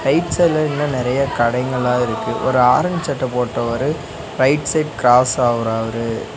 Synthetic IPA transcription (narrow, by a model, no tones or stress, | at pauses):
ɾɐɪʈsɐlɐɪnːɐnɪɾɐjɐkɐɽɐɪŋɡɐɭaːɪɾɯkːɯʔɔ̰ɾɯaːɾɐnd͡ʒt͡ʃːɐʈːɐpoːʈːɐʋɐɾɯ | ɾɐɪʈsɐɪʈkɾaːsaːʋɐɾaːʋɐɾɯ